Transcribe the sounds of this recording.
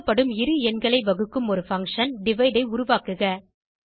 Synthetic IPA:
pːɐɽɯmɪɾɯɛnɡɐɭɐɪʋɐɣɯkːɯmɔɾɯfɐŋkʂɐnɖɪʋɐɪɖɐɪʊɾʊʋaːkɯɣɐ

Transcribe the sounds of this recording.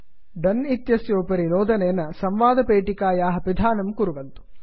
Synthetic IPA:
ɖɐnit̪jɐsjoːpɐɾinoːd̪ɐneːnɐsɐmʋaːd̪ɐpeːʈikaːjaːɦɐpid̪ʱaːnɐmkuɾuʋɐnt̪u̥

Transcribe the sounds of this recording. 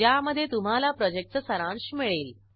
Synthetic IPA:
jaməd̪ʱːjet̪um̤alapɾɔd͡ʑek̚ʈt͡ssəɾãɳɕimiɭeːl

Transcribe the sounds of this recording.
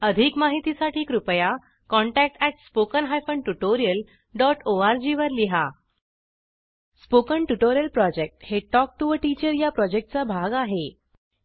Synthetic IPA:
əd̪ʱikmaɦit̪isaʈʰiːkɾupəja | kɔ̃ɳʈæk̚ʈæʈspokənɦajfəɳʈuʈoɾijəl | ɖɔʈoaɾd͡ʑiʋəɾliɦa | spokəɳʈuʈoɾijəlpɾɔd͡ʑek̚ʈheʈɔk̚ʈuʋəʈit͡ɕəɾjapɾɔd͡ʑek̚ʈ̚t͡sabʱaɡaɦe

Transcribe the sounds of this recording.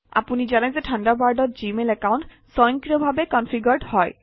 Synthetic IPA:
a̰punizanajzɛtʰandabaɹdɔt̚zimelɛkawnt | sɔjɔŋkɹiɔbʱabɛkɔnpʰiɡɔɹɖhɔj

